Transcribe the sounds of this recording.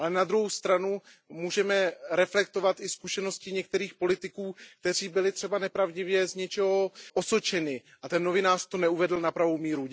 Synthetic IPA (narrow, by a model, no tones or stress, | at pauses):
ʔalɛnad̪ɾuɦowst̪ɾanu | muːʒɛmɛɾɛflɛkt̪ovat̪ʔɪskuʃɛno̞scɪɲɛk̚t̪ɛɾiːxpo̞lɪt̪ɪkuːk̚t̪ɛr̝iːbɪlɪt̪r̥ɛbanɛpɾavɟɪvjɛzɲɛt͡ʃɛɦo̞ʔosot͡ʃɛnɪʔat̪ɛnːo̞vɪnaːrt̪o̞nɛuvɛdl̩napɾavowmiːɾu